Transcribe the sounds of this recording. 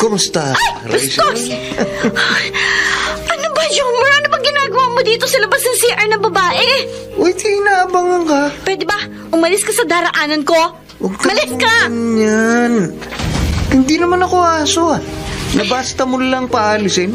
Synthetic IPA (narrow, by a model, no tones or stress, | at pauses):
komʊst̪ɐʔj | ɐsos | ʔɐnobɐʃomoɾaːnʊbɐŋɡɪnaːɡɐwaːmod̪iːt̪osɐlɐbɐsnɐŋsiʔɐɹnɐbɐbaːʔɛ | ʔojt̪ʰɪɪnaːʔɐbaŋɐŋkɐpɛd̪ɪbɐ | ʔʊmɐlɪskɐsɐd̪aːɾɐʔaːnɐnko̞ | wɐɡ̚t̪mɐlɪskaɲan | hɪnd̪inɐmanɐkoaːsoanɐbaːst̪ɐmʊlɐŋpɐʔaːlɪsɪn